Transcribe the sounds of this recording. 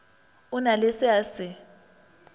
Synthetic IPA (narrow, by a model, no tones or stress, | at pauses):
ʊnalesɪasɪ